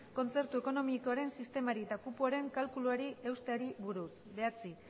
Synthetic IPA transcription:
ko̞nt͡se̞ɾt̪ue̞ko̞no̞mikoaɾe̞nsist̪e̞maɾiet̪akupuaɾe̞ŋkalkuluaɾie̞wst̪eaɾiβuɾus | βe̞at͡si

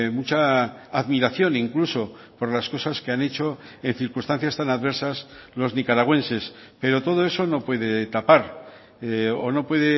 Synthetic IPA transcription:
mut͡ʃaːðmiɾaθjo̞niŋkluso̞po̞ɾlasko̞saskeane̞t͡ʃo̞e̞n̟θiɾkust̪ãn̟θjast̪anaðβe̞ɾsaslo̞znikaɾaɣ̞we̞nse̞spe̞ɾo̞t̪o̞ð̞o̞e̞so̞no̞pwe̞ð̞e̞t̪apaɾ | ono̞pwe̞ðe

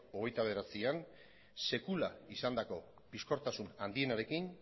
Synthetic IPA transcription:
o̞ɣ̞e̞jt̪aβe̞ɾat͡sian | se̞kulaisand̪ako̞ | pisko̞ɾt̪asunand̪ie̞naɾe̞kin

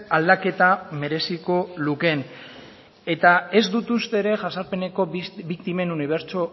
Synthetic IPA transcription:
ald̪ake̞t̪ame̞ɾe̞siko̞luke̞n | e̞t̪ae̞zd̪ut̪ust̪e̞ːɾe̞ʝasaɾpe̞ne̞ko̞βikt̪ime̞nuniβ̞e̞ɾt͡ʃo

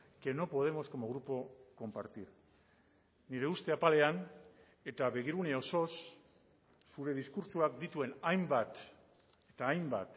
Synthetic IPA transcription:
ke̞no̞po̞ð̞e̞mo̞sko̞mo̞ɣɾupo̞ko̞mpaɾt̪iɾ | niɾe̞ust̪e̞apale̞an | e̞t̪aβe̞ɣ̞iɾune̞o̞so̞sː | uɾe̞ð̞iskuɾt͡ʃuakd̪it̪ue̞najmbat̪ | et̪aːjmba̰t̪

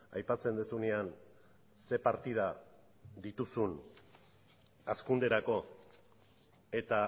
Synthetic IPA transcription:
a̰jpat͡se̞nd̪esunean | se̞paɾt̪ið̞a | d̪it̪usun | askund̪e̞ɾako̞ | e̞t̪a

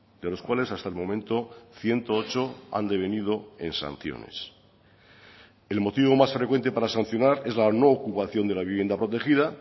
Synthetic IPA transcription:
d̪e̞lo̞skwale̞sast̪aelmõ̞mẽ̞nt̪o̞θje̞nt̪o̞ot͡ʃo̞a̰nd̪e̞βe̞nið̞o̞e̞nsa̰n̟θjo̰nḛs | e̞lmo̞t̪iβo̞masfɾekwe̞nt̪e̞paɾasan̟θjo̞naɾe̞zlano̞ːkupaθjo̞nd̪e̞laβiβje̞nd̪apɾo̞t̪e̞xiða

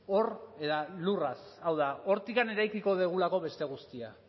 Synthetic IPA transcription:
o̞re̞ðalurasawðao̞ɾt̪ikane̞ɾajkiko̞ðeɣ̞ulako̞βe̞st̪e̞ɣ̞ust̪ia

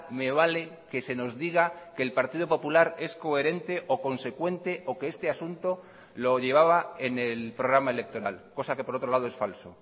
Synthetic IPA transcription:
me̞β̞ale̞ke̞se̞no̞zðiɣ̞akeːlpaɾt̪iðo̞po̞pulaɾe̞sko̞e̞ɾe̞nt̪e̞ʔoko̞nse̞kwe̞nt̪e̞ʔo̞keest̪e̞asunt̪o̞ | lo̞ʝe̞β̞aβae̞ne̞lpɾo̞ɣ̞ɾamae̞le̞k̚t̪o̞ɾa̰lko̞sake̞po̞ɾo̞t̪ɾo̞laðoesfalso̞

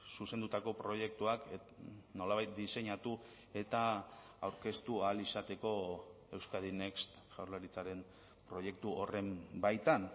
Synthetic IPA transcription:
suse̞nd̪ut̪ako̞pɾo̞je̞k̚t̪uak | no̞laβajt̪̚d̪ise̞ɲat̪u | e̞t̪a | awɾke̞st̪ualisat̪e̞ko̞ | e̞wskaðinekst̪ | ʝawɾlaɾit͡saɾe̞n | pɾo̞je̞k̚t̪uʔore̞mbajt̪an

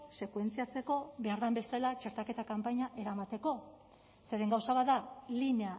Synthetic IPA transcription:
se̞kwe̞nt͡siat͡se̞ko̞βe̞aɾðambe̞salat͡ʃe̞ɾt̪ake̞t̪akampaɲaʔe̞ɾamat̪e̞ko̞ | se̞ɾe̞ŋɡawsaβaalinea

